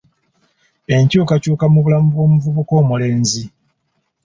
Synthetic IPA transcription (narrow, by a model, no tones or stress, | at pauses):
e̞ɲcuːkacuːkamuβulamuβwo̞ːmuvuβuko̞ːmule̞ːnzi